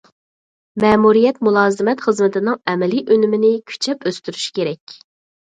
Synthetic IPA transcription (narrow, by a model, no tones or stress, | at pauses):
mɛːmuɾijɛt̪̚mulˠɑːzɨmɛt̪χəzmɪt̪ʰɪnɪŋɛmɛliʔønymɪnɪkʲʰy̥t͡ʃʰɛpøst̪yɾyʃkʲeɾɛkʲ